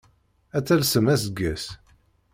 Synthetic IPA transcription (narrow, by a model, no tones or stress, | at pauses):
æt͡sːælsəmæsəɡːæs